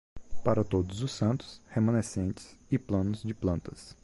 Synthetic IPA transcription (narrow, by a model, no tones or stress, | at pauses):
paɾɐt̪od̪ʊzʊsːɐ̃nt̪ʊ̥shemɐ̃nesẽnt͡ʃɪ̥sɪplɐ̃nʊzd͡ʒɪplɐ̃nt̪ɐs